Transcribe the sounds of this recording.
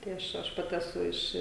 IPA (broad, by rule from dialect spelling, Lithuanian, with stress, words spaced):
tɐɪ ˈɐʃ ˈɐʃ ˈpɑːtʲɪ ɛˈsʊ ˈɪʃ